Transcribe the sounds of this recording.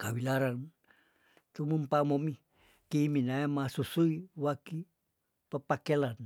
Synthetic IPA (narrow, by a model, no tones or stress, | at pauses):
kawilaɾan | t̪umumpamomi | kiːminaemasusuiwaki | pəpakelan